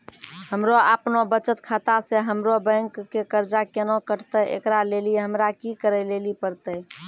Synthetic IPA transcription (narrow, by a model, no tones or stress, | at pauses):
həmɾoapnobət͡ʃət̪kʰat̪aseɦəmɾobə̃ŋkːekəɾd͡ʒakenokəʈʰt̪əʔḛkɾaleliɦəmɾakikəɾɛlelipəɾt̪ə